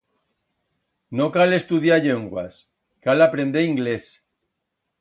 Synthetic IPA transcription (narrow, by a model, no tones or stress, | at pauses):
nokale̞st̪uðjaʎeŋɡwa̰s | kalapɾẽ̞nd̪eiŋɡles